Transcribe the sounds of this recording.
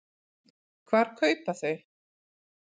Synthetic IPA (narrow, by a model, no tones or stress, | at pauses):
kʰvaːɾ̥kʰœːɥpaθœɥ